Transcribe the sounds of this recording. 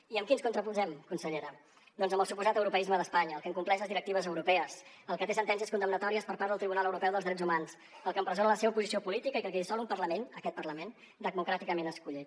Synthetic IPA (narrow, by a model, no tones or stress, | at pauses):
iəmkinskunt̪ɾəpuzɛmkunsəʎeɾə | d̪ɔnzəmbəlˠsupuzat̪əwɾupəizməðəspaɲəːlˠkəŋkumplɛʃləzðiɾək̚t̪iβəzəwɾupɛəs | əlˠkət̪esənt̪ɛns̬iəskund̪əmnət̪ɔɾiəspəɾpaɾðəlˠt̪ɾiβunalˠəwɾupɛwðəlˠzðɾɛd͡zumans | əlˠkəmpɾəzonələseβəpuzisiopulit̪ikəikəlˠkɛisɔlumpərləmenəkɛt̪̚pərləmen | d̪əɣ̚mukɾat̪ikəmenəskuʎit̪